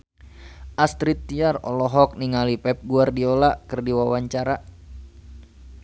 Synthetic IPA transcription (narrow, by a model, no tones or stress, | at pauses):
ʔast̪ɾit̪ːiarɔ̰lɔɦɔk̚niŋalipɛp̚ɡuardiɔlaʔkərdiwawaɲt͡ʃaɾa